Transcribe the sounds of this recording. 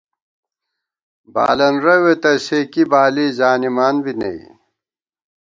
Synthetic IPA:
ba̰ːlɐnɾɐwet̪ɐsekibaːliːzaːnimaːnbinɐ̰ḭ

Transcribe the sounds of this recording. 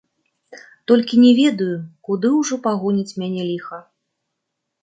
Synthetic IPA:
t̪ɔlʲkʲinʲɛvʲɛd̪ujukud̪ɨwʐɔpaɣɔnʲit͡sʲmʲanʲɛlʲixɐ

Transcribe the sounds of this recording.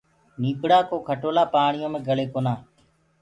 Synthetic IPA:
niːpɽaːkoːkʰəʈoːlaːpaːɳɪjõːmẽːɡəleːkoːnaː

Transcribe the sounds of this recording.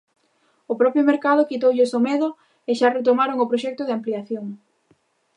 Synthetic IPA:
ʊpɾɔpjʊmeɾkað̞ʊkit̪owʎɪsomɛðʊ | ɪʃaret̪̬omaɾoŋʊpɾoʃɛk̚t̪ʊðɪampliaθjoŋ

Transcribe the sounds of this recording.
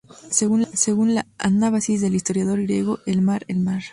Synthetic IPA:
seɣunseɣunlaanaβasizðe̞list̪o̞ɾjaðo̞ɾɣɾjeɣo̞ʔelmaɾelmaɾ

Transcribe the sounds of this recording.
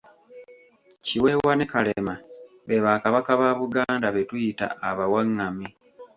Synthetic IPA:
ciwe̞wane̞kalema | βe̞βaːkaβakaβaːβuɡaːndaβe̞tujita̰ːβawaŋːami

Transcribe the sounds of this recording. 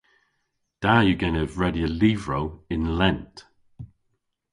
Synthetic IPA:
d̥aːjəɡɛnəvɹɛdjəliːvɹowɪ̃nlɛnt

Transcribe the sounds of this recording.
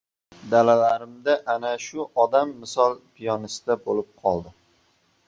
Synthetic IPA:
d̪alalaɾɪmd̪aʔanaʃʊʔɒd̪amːɪsɒlˠpʰijɒnɪsɪd̪abolɪp̚qʰɒlˠd̪ɪ

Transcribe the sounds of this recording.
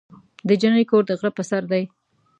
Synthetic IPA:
d̪əd͡ʒanəjkoɾd̪əɣɾapəsaɾd̪aj

